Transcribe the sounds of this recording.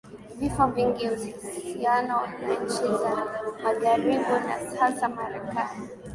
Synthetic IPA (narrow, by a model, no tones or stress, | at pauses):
vifɔviŋɡiuziŋɡizianɔnaɲt͡ʃizamaʄaɾiɡuna̰sansamaɾɛkani